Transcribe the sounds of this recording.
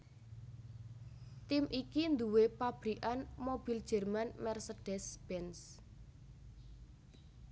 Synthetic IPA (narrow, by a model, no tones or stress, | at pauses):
t̪imʔikind̪uwepab̥ɾiʔanmob̥i̤ld̥ʒ̥ɛ̤rmanmɛrseɖ̥ɛsb̥ɛns